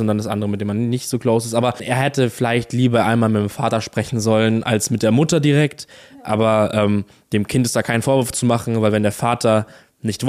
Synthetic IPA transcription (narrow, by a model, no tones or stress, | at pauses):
ʊntd̥andasʔa̰ndəʁəmɪt̚d̥eːmanːɪçtz̥oːkloːs̬ɪstʔaːbɐʔeːɐɦɛtəfɪlaɪçtliːbɐʔa̰ɪnmaːlmɪtːɪmfaːtɐʃpʁ̥ɛçn̩zɔlənʔa̰lsmɪt̚d̥eːɐmʊtɐdiʁɛktʔa̰ːbɐʔɛːm | d̥eːmkʰɪntɛstd̥aːkʰaɪn̩foːɐvɪɐft͡sumaχn̩vaɪlvɛndeːɐfaːtʰɐ | nɪçtv̥